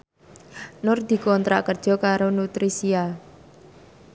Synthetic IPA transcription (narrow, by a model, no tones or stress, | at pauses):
nʊrd̪̥i̤kɔnt̪ɾa̰ʔkərd̥ʒ̥ɔ̤kaɾonut̪ɾisia